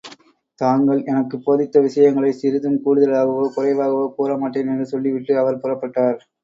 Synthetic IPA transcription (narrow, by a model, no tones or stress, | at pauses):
t̪aːŋɡɐɭɛnɐkːɯpːoːðɪt̪ːɐʋɪʂɐjɐŋɡɐɭɐɪsɪɾɯðɯmkuːɽʊðɐlaːɣɐʋokʊrɐɪʋaːɣɐʋopoːɾɐmaːʈːɪnɛndrɯsɔlːiʋɪʈːɯɐʋɐɾpʊrɐpːɐʈːaːɾ